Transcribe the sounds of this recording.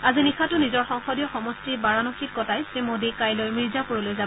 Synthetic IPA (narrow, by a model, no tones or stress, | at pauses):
azinixʰatʊnizɔɹxɔŋxɔdijɔxɔmɔstibaɹanɔxit̚kɔtajsemodikajlojmiɹzapuɹɔlojza